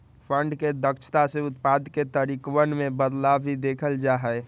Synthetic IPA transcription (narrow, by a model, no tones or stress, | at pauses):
pʰə̃ɳɖked̪əkt͡ʃʰt̪aseʊt̪paːd̪ket̪əɾikwənmẽbəd̪laid̪eːkʰəld͡ʒaːɦɛɛ